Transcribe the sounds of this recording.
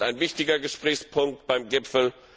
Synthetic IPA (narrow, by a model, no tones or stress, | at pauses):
aɪnvɪçtɪɡɐɡəʃpʁ̥ɛːçspʰʊŋk̚tb̥aɪmɡɪpfl̩